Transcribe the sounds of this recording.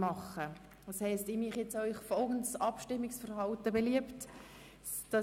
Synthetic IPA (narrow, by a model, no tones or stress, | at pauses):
mɑχːə | ɑshɛɪstɪmiχjɛt͡sœʏχfɔlɡəntsɑpʃtɪmːɪksfərɦɑltəbeliəpt | d̥ɑ